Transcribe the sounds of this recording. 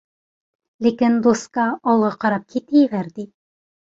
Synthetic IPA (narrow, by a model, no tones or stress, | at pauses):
lʲikɘnd̪uskɑːlˠʁɑqɑɾɑp̚kʰit̪ɘjɘɡæɾd̪i